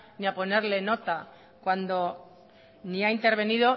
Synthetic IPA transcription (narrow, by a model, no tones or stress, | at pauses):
niapo̞neɾle̞no̞t̪a | kwand̪o̞ | niaint̪eɾβ̞e̞niðo̞